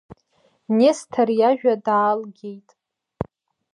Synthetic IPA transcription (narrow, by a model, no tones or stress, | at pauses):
nestʰarjaʒᶣadaːlɡʲejtʼ